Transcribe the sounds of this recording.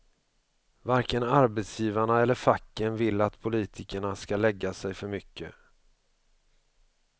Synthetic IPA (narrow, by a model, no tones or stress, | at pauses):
vaɾkənaɾbet̪sjiːvaɳaɛlːəɾfakːənvɪlːat̪pʰʊliːt̪ʰɪkəɳaskalɛɡːasɛjfœɾmʏkːə̰